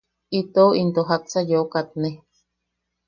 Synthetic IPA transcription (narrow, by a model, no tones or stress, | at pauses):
it̪oint̪oɦak̚t͡sajokat̪̚ne